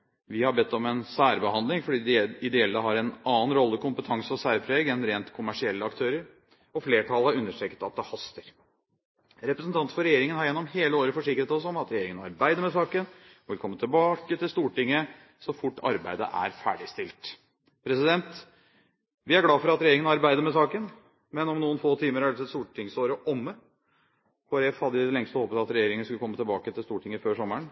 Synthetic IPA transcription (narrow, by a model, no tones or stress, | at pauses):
ʋɪhɑbɛt̪ːɔmɛnsæːɾbəhɑnd̪ɪŋfɔɖiːɪd̪ɛɛlːəɦɑɾɛnɑːnɾɔlːəkʰʊmpət̪ʰɑŋsəɔsæːɾpʰɾeːɡɛnɾeːnt̪kʰʊmæʂɪɛlːəɑkt̪ʰøːɾəɾ | ɔfleːʈʰɑlhɑɾʉnːəʂʈɾeːkət̪ɑt̪̚d̪ɛhɑst̪əɾ | ɾɛpɾəsnt̪ʰɑnt̪fɔɾɛjeːɾɪŋənhɑɾjɛnːɔmheːləoːɾəfɔʂɪkːɾət̪ɔsɔmɑt̪ɾɛjeːɾɪŋənɑɾbæɪd̪əmɛsɑːkənʋɪlkʰɔmːət̪ʰɪlbɑːkət̪ɪlst̪uːʈɪŋːə | sɔfʊʈːɑ̰ɾbæ̰ɪd̪ə̰ʔæ̰ɾfæ̰ːɖɪst̪ɪlt̪ | pʰɾɛsɪd̪ɛnt̪ | ʋɪæɾɡlɑːfɔɾɑt̪ɾɛjeːɾɪŋənəɑɾbæɪd̪əɾmɛsɑːkən | mɛnɔmnuːənfoːt̪ʰiːməɾæsɛt̪st̪uːʈɪŋsoːɾəʔɔmːə | hɔɾɛfhɑd̪ːəɪəlɛŋst̪ɔhoːpət̪ɑt̪ɾɛjeːɾɪŋən̩skʉləkʰɔmːət̪ʰɛlbɑːkət̪ʰɪlst̪uːʈʰɪŋːəføːʂɔmːəɳ